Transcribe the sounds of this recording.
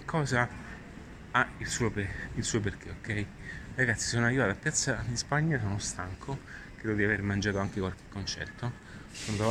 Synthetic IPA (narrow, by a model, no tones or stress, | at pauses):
kʰːɔːza | ailsuːopeilsuːop̬erk̟eokːɛi | raɡat̪si̥sonoarːivaːt̪apːjat̪sːad̪ispaɲːasoːnost̪aŋkʰokɾɛːd̪od̪iavermand͡ʒaːt̪oaŋkekwalk̟e̥kːont͡ʃɛ̰rt̪o | sont̪